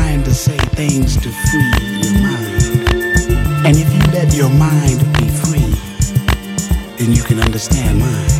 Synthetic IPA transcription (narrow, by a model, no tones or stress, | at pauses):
ɪ̃ntɨseɪθɪ̃ŋz̥tʰɨfilˠəmãɪ̃nd̥ | ɨ̃nɨfjɨlɛt͡ʃə˞mãɪ̃nbifɹi | ðɨ̃njɨkʰɨ̃nʌ̰̃ndə˞stæ̃n̚mãɪ̃n